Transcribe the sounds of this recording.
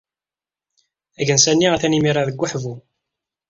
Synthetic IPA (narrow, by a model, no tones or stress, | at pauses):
æʝənsænːiʁaθænimiɾˤaðəɡʷːaħvu